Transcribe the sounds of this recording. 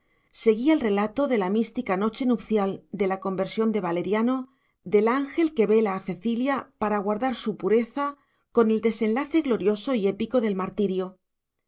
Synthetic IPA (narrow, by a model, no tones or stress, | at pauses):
se̞ɣ̞iaelre̞lat̪o̞ðe̞lamist̪ikano̞t͡ʃenupθjald̪e̞lako̞mbe̞ɾsjo̞nd̪e̞β̞ale̞ɾjano̞ | d̪e̞laŋxe̞lke̞βe̞laːθe̞θiljapaɾaɣwaɾðaɾsupuɾe̞θa | ko̞ne̞ld̪e̞se̞nlaθe̞ɣlo̞ɾjo̞so̞ie̞piko̞ðe̞lmaɾt̪iɾjo̞